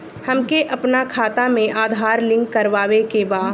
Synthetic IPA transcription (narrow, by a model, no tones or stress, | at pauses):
hɐmkeʔɐpnakʰaːt̪amẽʔaːd̪ʱaːɾlɪ̃ŋɡːɐɾʋaːʋekebaː